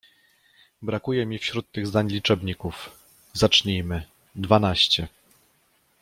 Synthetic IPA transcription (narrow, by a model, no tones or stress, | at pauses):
bɾakujɛmʲifɕɾut̪ːɘɣzd̪aɲlʲit͡ʂɛbɲikuf | zat͡ʂɲijmɘ | d̪vanaɕt͡ɕɛ